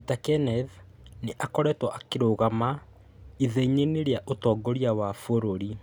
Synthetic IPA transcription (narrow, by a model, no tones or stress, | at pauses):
itakɛnɛð | neʔakɔɾɛtwɔʔakeɾoɣama | iðeiɲeneɾeaʔotɔːɡɔɾiawafoɾoɾi